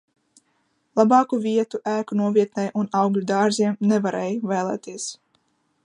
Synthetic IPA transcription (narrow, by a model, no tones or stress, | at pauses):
lˠabɑːkuviɛt̪uʔæːkunuɔvʲiɛt̪nɛjʔunɑwɡlʲud̪aːɾziɛmnevaɾɛːjvɛːlˠɛ̰ːt̪iɛs